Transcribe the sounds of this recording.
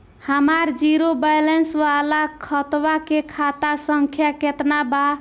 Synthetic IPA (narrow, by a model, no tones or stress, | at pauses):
həmaɾd͡ʒiɾobajlensʋalakʰət̪ʋakekʰat̪asəŋkʰjaket̪naba